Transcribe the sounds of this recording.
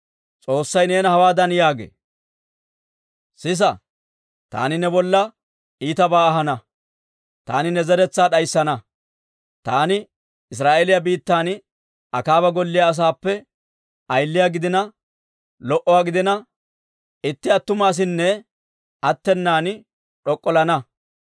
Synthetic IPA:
t͡sʼo̞ːsːɐjne̞ːnɐhɐwaːd̪ɐnjaːɡḛː | sɪs̬ɐ | t̪a̰ːnɪnɛbɔlːɐ | iːt̪ɐbaːɐɦɐnɐ | t̪a̰ːnɪnɛzɐɾɛt͡sːaːɗɐjsːɐnɐ | t̪aːnɪ | ɪs̬ɾaːʔelɪjɐbiːt̪ːaːn | ɐkaːbɐɡɔlːɪjaːs̬aːpːɛ | ɐjlːɪjaːɡɪd̪ɪnɐ | lɔʔɔwaːɡɪd̪ɪnɐ | ɪt̪ːɪɐt̪ːʊmaːs̬ɪnːɛ | ɐt̪ːɛnːaːn | ᶑɔkʼːɔlɐnɐ

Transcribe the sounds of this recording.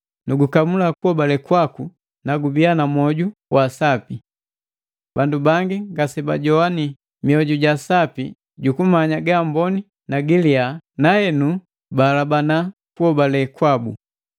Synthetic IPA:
nuɡukamulakuhɔbalɛkwaku | naɡubianamɔɟuwʔasapi | bandubaŋɡiŋɡasɛbaɟɔani | miɔɟuɟasapi | ɟukumaɲaɡambɔni | naɡilianahɛnu | balabana | kuɔbalɛkwabu

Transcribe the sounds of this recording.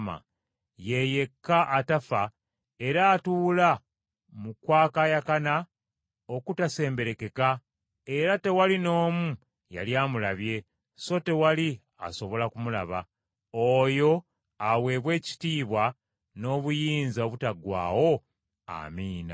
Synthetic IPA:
ma̰ | je̞je̞kːaʔːtafa | e̞ɾaːtuːla | mukwaːkajakana | o̞kutase̞ːmbe̞ɾe̞ke̞ka | e̞ɾate̞walino̞ːmu | ja̰ljaːmulaβje̞ | so̞te̞wali | a̰so̞βo̞lakumula̰βa̰ | ojo̞ | aβwe̞ːβwe̞ːci̥tiːβwa | no̞ːβujiːnzaoβutaɡwa̰ːwo̞ | a̰miːna̰

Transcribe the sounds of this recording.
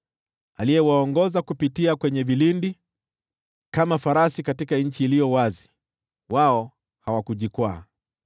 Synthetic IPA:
alijɛwaɔŋɡɔzakupitiakwɛɲɛvilindi | kamafaɾasikatikaɲ̩t͡ʃiːlijɔwazi̥ | waɔ | hawakuʄikwa̰ː

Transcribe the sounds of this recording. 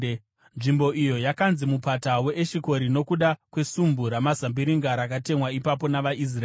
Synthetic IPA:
nʐimbo̞ʔijo̞jakanzimupatawe̞ʔeʃiko̞ɾino̞kuɗakwe̞sumbuɾamazambiɾiŋɡaɾakate̞mwaipapo̞naʋaʔis̬ra

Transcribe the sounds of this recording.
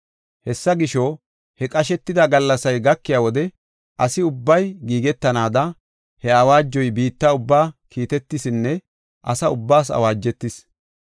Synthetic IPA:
hɛsːɐɡɪʃo | hɛkʼɐʃ̬ɛt̪ːɪd̪ɐɡɐlːɐsɐjɡɐkːɪjaːwɔd̪ɛ | ʔɐsɪʊbːɐjɡiːɡɛt̪ːɐnaːd̪ɐ | hɛɐwaːd͡ʒːɔjbiːt̪ːaʊbːaːkʰiːt̪ɛt̪ːɪsɪnːɛ | ʔɐsɐʊbːaːsɐ̰waːd͡ʒːɛt̪ːɪs

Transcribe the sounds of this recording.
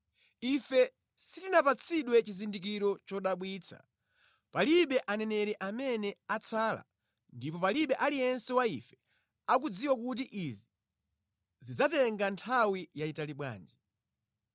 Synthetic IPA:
ifɛ | sitinapat͡sʰiɗwɛt͡ʃizindik̬iɾɔt͡ʃɔɗaɓwiːt͡sʰa̰ | paliɓɛʔanɛnɛɾɛʔamɛnɛat͡sʰaːla̰ | ndipɔpaliɓɛʔalijɛnsɛwaifɛ̥ | ak̬ud͡ziwak̬utiʔizi | zid͡zatɛŋɡantʰawijaitaliɓwa̰ːnd͡ʒɛ

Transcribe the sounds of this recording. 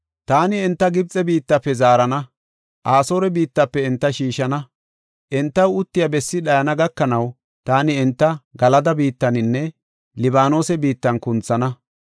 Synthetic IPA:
t̪aːnɪɛnt̪ːɐɡɪb̚t͡sʼɛbiːt̪ːɐpːɛzaːɾɐnɐ | ʔaːso̞ːɾɛbiːt̪ːɐpːɛɪnt̪ːɐʃiːʃɐnɐ | ʔɛnt̪ːɐwʊt̪ːɪjɐbɛsːɪɗɐjɐnɐɡɐkːɐnɐw | t̪aːnɪɛnt̪ːɐɡɐlɐd̪ɐbiːt̪ːɐnɪnːɛ | lɪbaːno̞ːsɛbiːt̪ːɐnkʊnt͡sːɐnɐ

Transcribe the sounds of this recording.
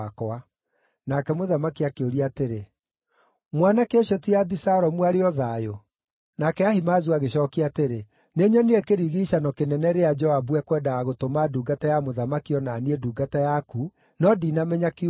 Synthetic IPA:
kɔa | nakɛmoðamakiakeoɾiateɾe | mwanakeoɕɔtiabisaɾɔmuaɾeɔðaːjo | nakɛahimaːzuaɣeɕɔːkiateɾe | neɲɔniɾɛkeɾiɣiɕanɔkenɛnɛɾead͡ʒɔabuɛkwɛndaaɣotomaduːɡatajamoðamakiɔnaːnieduːɡatajaku | nɔdiːnamɛɲaki

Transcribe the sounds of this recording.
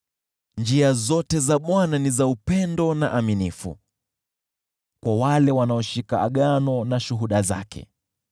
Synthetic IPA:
nd͡ʒiazɔtɛzaɓwananizaupɛndɔnaʔaminifṵ | kwawalɛwanaɔʃikaːɠanɔnaʃuɦuɗaza̰kʰɛ̰

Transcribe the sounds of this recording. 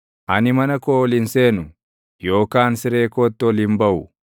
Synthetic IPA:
ʔɐnɪmɐnɐkoːlɪnse̞ːnʊ | jo̞ːkaːnsɪɾe̞ːkoːt̪ːɪɔlɪmbɐʔʊ

